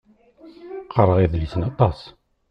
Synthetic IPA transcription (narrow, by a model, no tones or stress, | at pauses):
qɑɾˤəʁiðlisənɑt̪ˤɑs